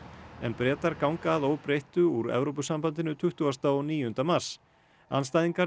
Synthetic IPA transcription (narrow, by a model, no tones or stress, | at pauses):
ɛ̰npɾɛːt̪aɾkawŋkaːðoːwpɾejht̪ʏuɾɛ̰vɾowp̬ʏsampant̪ɪnʏt̪ʰʏht̪uast̪aɔniːjʏʏnt̪amaɾ̥s | a̰nst̪ajðiŋka